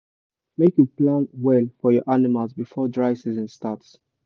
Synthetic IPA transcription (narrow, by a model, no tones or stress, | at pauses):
mekjuplãnwɛlfɔjɔʔanimalˠzbifɔdɹaɪsizɔ̃nstats